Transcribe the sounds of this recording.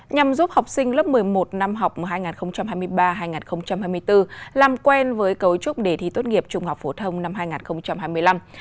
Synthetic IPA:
ɲa˨˩mzu˦˥p̚ha˨˩wk͡p̚sï˧ŋ̟lə˦˥p̚mɨ˨˩əjmo˨˩t̚na˧mɦa˨˩wk͡p̚m˨˩haː˧jŋaː˨˩nxə˧wŋ͡mt͡ɕa˧mhaː˧jmɨ˧əjɓaː˧ɦaː˧jŋaː˨˩nxə˧wŋ͡mt͡ɕa˧mhaː˧jmɨ˧əjt̪ɨ˧laː˨˩mkwɛ˧nvəː˨˦jkə˨˦wt͡ɕʊ˦˥k͡p̚ɗe˧˩t̪ʰḭ˧˨˩t̪wt̚ŋi˨˩əp̚t͡ɕʊ˧ŋ͡mhɔ˨˩k͡p̚fo˧˩t̪ʰə˧wŋ͡mna˧mhaː˧jŋaː˨˩nxə˧wŋ͡mt͡ɕa˧mɦaː˧jmɨ˧əjla˧m

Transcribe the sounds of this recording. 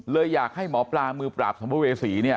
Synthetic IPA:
lɤː˧jːaː˨˩k̚ha˥˩jmɔː˩˦plaː˧mɯː˧pɾa̰ː˨˩p̚sɔ˩˦mbweː˧siː˩˦ni˥˩ɐ

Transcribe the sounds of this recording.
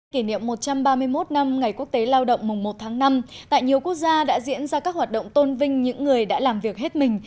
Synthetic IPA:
ki˧˩nḭ˧˨əmːo˨˩t̚t͡ɕa˧mɓaː˧mɨ˧əjmo˦˥t̚na˧mŋa˨˩jku˦˥ək̚t̪e˨˦laː˧wɗə̰˧˨wŋ͡mmʊ˨˩ŋ͡mmo˨˩t̚t̪ʰaː˨˦ŋna˧mt̪a̰ː˧˨jɲi˨˩əwkək̚zaː˧ɗa̰ː˧˥zḭ˧˥ənzaː˧kaː˦˥k̚hwaː˨˩t̚ɗə̰˧˨wŋ͡mt̪o˧nvï˧ŋ̟ɲɨ̰˧˥ŋːɨ˨˩əjɗa̰ː˧˥laː˨˩mvi˨˩ək̚he˦˥t̚mï˨˩ŋ̟

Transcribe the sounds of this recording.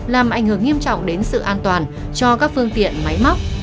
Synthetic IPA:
laː˨˩mʔa˨˧˩jŋ̟hɨ˧˩əŋi˧əmt͡ɕɔ̰˧˨wŋ͡mɗe˨˦nsɨ̰˧˨ʔaː˧nt̪waː˨˩n | t͡ɕɔ˧kaː˦˥k̚fɨ˧əŋt̪ḭ˧˨ənma˨˦jma˦˥k͡p̚

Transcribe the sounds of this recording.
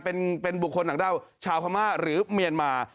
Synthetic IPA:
pe˧npe˧nbu˨˩kʰːo˧nːa˨˦ŋda˥˩wt͡ɕʰaː˧wkʰa˧maː˥˩ɾɯː˩˦mi˧ənmaː˧

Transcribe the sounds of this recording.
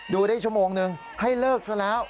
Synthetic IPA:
duː˧˩ɾaː˥˩t͡ɕʰu˥˩əmoː˧ŋnɯ˧ŋ | ha˥˩jlɤː˥˩k̚sʰa˧˩lɛː˦˥w

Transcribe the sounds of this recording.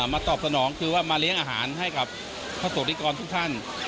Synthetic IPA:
maː˧t̪ɔː˨˩p̚sa˧nɔː˩˦ŋkʰɯː˧waː˥˩maː˧li˦˥əŋʔaː˧ɦa̰ː˩˦nɦa˥˩jka˨˩p̚ | pʰa˧˩soː˨˩kli˦˥˩kɔː˧nt̪ʰuː˦˥˩k̚t̪ʰa˥˩n

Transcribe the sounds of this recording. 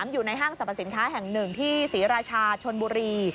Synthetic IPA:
mjuː˨˩na˧jɦaː˥˩ŋsa˨˩pʰa˨˩si˩˦nkʰaː˦˥ɦɛ˨˩ŋnɯ˨˩ŋt̪ʰiː˥˩siː˩˦ɾaː˧t͡ɕʰaː˧t͡ɕʰo˧nbuː˧ɾiː˧

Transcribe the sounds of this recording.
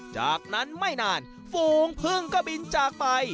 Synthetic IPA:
t͡ɕa̰ː˨˩k̚na˦˥nma˥˩jnaː˧n | foː˧˩ŋpʰɯ˥˩əŋkɔː˥˩bi˧nt͡ɕaː˨˩k̚pa˧j

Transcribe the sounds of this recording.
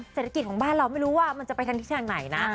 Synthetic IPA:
seː˨˩t̪ʰːa˧˥i˨˩t̪̚kʰːbaː˥˩nɾa˧wma˥˩jɾuː˦˥waː˥˩ma˧nt͡ɕa˨˩pa˧jt̪ʰa˧ŋt̪ʰiː˥˩aː˧ŋna˩˦jna˦˥

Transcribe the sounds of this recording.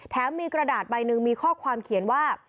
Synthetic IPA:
t̪ʰɛː˩˦˥mːiː˧kɾa˧daː˨˩t̪̚ba˧jnɯ˧ŋmiː˧kʰɔː˥˩kʰwaː˧mkʰi˨˩˦ənwaː˥˩

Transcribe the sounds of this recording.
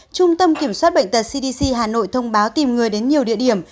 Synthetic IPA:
t͡ɕʊ˧ŋ͡mt̪ə˧mki˧˩əmswaː˦˥t̚ɓə̰˧˨jŋ̟t̪ə˨˩t̚si˧ɗi˧si˧ɦaː˨˩no̰˧˨jt̪ʰə˧wŋ͡mɓaː˨˦wt̪i˨˩mŋɨ˨˩əjɗe˨˦nɲi˨˩əwɗḭ˧˨əɗi˧˩əm

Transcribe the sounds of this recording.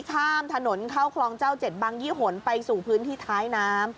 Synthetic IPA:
kʰaː˥˩mt̪ʰa˧no˩˦nkʰa˥˩wkʰlɔː˧ŋt͡ɕaː˥˩wt͡ɕe˨˩t̪̚baː˧ŋjiː˥˩ɦo˩˦npa˧jsuː˨˩pʰɯː˦˥nt̪ʰiː˥˩t̪ʰaː˦˥jnaː˦˥m

